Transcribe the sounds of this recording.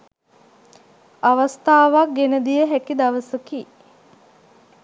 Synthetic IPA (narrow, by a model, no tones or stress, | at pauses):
aʋast̪aːʋak̚ɡenəd̪ijəɦækid̪aʋəsəki